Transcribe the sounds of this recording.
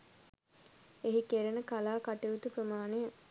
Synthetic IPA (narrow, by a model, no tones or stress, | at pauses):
eɦikeɾənəkalaːkaʈeʋut̪upɾəmaːnejə